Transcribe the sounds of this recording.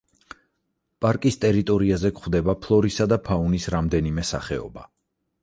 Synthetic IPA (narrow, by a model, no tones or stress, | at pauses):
pʼaɾkʼist̪ʼɛɾit̪ʼɔɾiazɛkχwd̪ɛbapʰlˠɔɾisad̪apʰaunisɾamd̪ɛnimɛsa̰χɛɔ̰ba